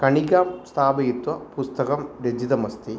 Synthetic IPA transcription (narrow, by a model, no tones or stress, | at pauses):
kɐɳiɣaːmst̪ʰaːbɐjit̪wɐpust̪ɐɣɐmɾed͡ʑiðɐmɐst̪i